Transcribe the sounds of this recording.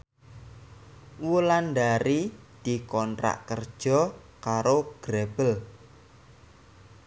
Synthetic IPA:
wulandaɾi | d̪̥i̤kɔnt̪ɾa̰ʔkərd̥ʒ̥ɔ̤ | kaɾoɡ̥ɾeb̥əl

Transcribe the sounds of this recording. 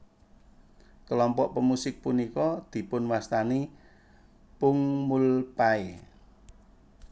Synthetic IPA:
kəlɔmpɔʔpəmusɪk̚punikɔd̪̥i̤pʊnwast̪ani | pʊŋmulpae

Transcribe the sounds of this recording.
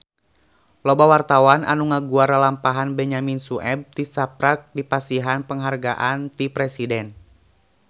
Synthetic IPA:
lɔbawart̪awanʔa̰nuŋaɡuaɾalampaɦanbɛɲaminsuʔɛb̚t̪isapɾak̚dipasiɦanpəŋɦarɡaʔant̪ipɾɛsidɛn

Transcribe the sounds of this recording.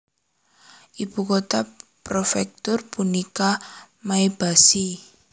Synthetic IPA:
ʔib̥ṳkot̪apɾofɛk̚t̪ʊrpunika | maeb̥a̤si

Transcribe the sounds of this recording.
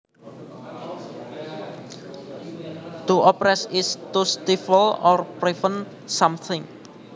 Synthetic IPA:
t̪uʔɔpɾɛsɪst̪ust̪ifəlɔrpɾifən | samθʰɪ̃ŋ

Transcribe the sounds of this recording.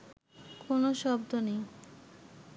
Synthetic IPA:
konoʃɔbd̪onej

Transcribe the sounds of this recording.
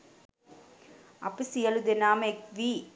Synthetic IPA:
ɐpisijɐlud̪enaːmekʋi

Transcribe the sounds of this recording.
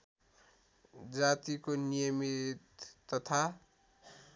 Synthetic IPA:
d͡zat̪ikonijʌmit̪ːʌt̪ʰa

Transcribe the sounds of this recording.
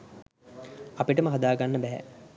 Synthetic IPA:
apiʈəməɦad̪aːɡanːəbɛɦɛ̰

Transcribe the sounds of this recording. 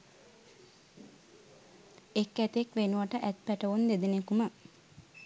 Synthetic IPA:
ekːæt̪ekʋenuʋəʈəʔæt̪̚pæʈəʋund̪ed̪enekumə

